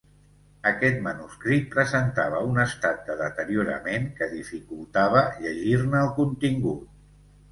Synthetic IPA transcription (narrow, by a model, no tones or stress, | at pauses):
əkɛt̪̚mənuskɾit̪̚pɾəzənt̪aβ̞əunəst̪at̪̚d̪əðət̪əɾjuɾə̰meŋkəðifikulˠt̪aβ̞əʎəʒirnəːlˠkunt̪iŋɡut̪̚